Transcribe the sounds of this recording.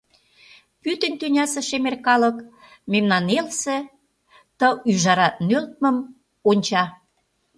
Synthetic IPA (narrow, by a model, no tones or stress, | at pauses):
pyt̪ə̆nʲt̪ynʲɑsĕʃemerkɑlə̆k | memnɑnelsĕ | t̪əyʒɑɾɑt̪nølt̪̚mə̆m | onʲt͡ɕɑ